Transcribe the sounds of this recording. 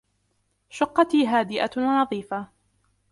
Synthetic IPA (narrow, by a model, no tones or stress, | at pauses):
ʃʊqːɑt̪iːɦaːd̪ɪʔa̰wnɑðˤiːfa